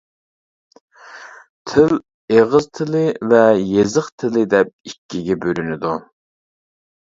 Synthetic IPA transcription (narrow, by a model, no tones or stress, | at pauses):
t̪ʰɪl | eʁəzt̪ʰɪlɪvɛjezəχt̪ʰɪlɪd̪ɛp̚ikʲːiɡʲɛbøɾynɪd̪u